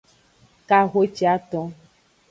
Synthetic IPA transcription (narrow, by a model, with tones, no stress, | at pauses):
ka˦ɣo˦t͡ʃi˦a˦t̪ɔ̃˦